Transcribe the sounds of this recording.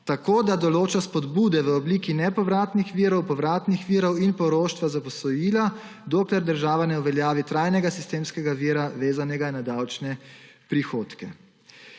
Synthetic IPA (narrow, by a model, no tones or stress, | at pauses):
t̪akoːd̪ad̪ɔloːt͡ʃaspɔd̪buːd̪ɛʋəɔbliːkinɛpɔʋɾaːt̪nixʋiːɾɔwpɔʋɾaːt̪nixʋiːɾɔwinpɔɾoːʃt̪ʋazapɔsɔjiːlad̪oːklɛɾd̪əɾʒaːʋanɛuʋɛljaːʋit̪ɾajnɛɡasist̪eːmskɛɡaʋiɾaʋeːzanɛɡainad̪awt͡ʃnɛ | pɾixoːt̪kɛ